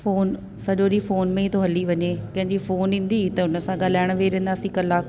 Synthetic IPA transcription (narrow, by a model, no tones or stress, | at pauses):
foːn | sɐʄoɗifoːnmẽit̪ʰoɦɐliʋɐɲekɐ̃ɦɪ̃ɲd͡ʑifoːnĩːn̆d̪it̪ɐʊnə̆sãɠaːl̤aːɪɽ̃ʋeɾẽːn̆d̪aːsikɐlaːk